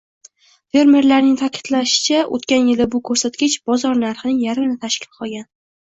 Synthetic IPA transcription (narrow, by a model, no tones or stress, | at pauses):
fe̞ɾme̞ɾlaɾnɪŋt̪ʰakʲʰɪ̥t̪laʃɪ̥t͡ʃʰaʔo̰t̪kʲanjɪlɪbʊkʰɵɾsat̪̚ɡʲɪt͡ʃb̥ɒzɒɾnaɾχɨnɪŋjaɾɪmɪnɪt̪ʰaʃkʲʰɪ̥lqʰɒlˠɡʲan